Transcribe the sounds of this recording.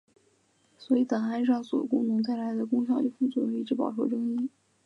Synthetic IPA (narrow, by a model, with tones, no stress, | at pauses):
swɔ˧˥i˧˩t̪ɤ˨˩ŋxa˧˥nʂ̩˥ɑ˥˩ŋswɔ˨˧˩jo̰˨˩kʊ̰˥ŋnɤ˧˥ŋt̪a˥˩ɪla˧˥ɪd̪ə˧kʊ˥ŋɕ̬jɑ˥˧ʊli˥˩fu˥˩t͡swɔ˥˩˥i˥˩ʈ͡ʂɻ̩˧˥pɑ̰˨˩ʊʈ͡ʂʰwɔ̰˥˩ʈ͡ʂɤ˥ŋi˥